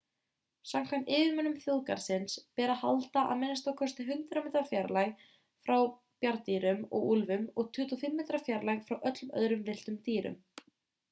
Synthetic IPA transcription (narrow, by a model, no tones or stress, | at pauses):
samkʰamt̪ɪːvɪmœnʏmθjoðka̰ɾ̥sɪnspɛːɾaha̰lt̪aʔa̰ðmɛnɪst̪awkʰɔst̪ɪɦʏnt̪ɾamɛːt̪ɾafjaɾlaj | fɾaw | pjaɾt̪iːɾʏmɔ̰ɣulvʏmɔɣt̪ʰʏːt̪ɔfɪmːɪːt̪ɾafjaɾlajɣfɾawʔœt̪lʏmœ̰ðɾʏmvɪl̥t̪ʏmt̪iːɾʏ̰m